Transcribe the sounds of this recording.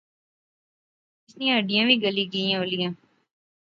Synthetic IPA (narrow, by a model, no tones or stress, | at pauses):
ɪsniãəɖijãːʋʱiɡəliɡiãːolijãː